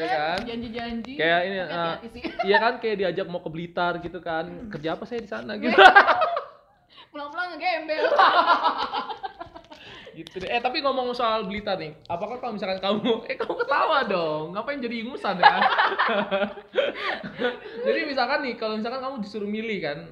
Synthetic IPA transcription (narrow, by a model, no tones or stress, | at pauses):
jakand͡ʒaɲd͡ʒid͡ʒaɲd͡ʒikajainiəjakankajaʔdiad͡ʒak̚makəbəlit̪arɡit̪ukankərd͡ʒaːpasajadisanaɡit̪ | pulaŋpulaŋaɡembɛl | ɡit̪unɛht̪apiŋomɔŋsoalbəlit̪arnɪhapakahkalomisalkankamuɛkamukət̪amadɔŋapajaŋd͡ʒadiːŋusanka | d͡ʒadimis̬alkanːɪkalomis̬alkankamud͡ʒisuɾumilihkan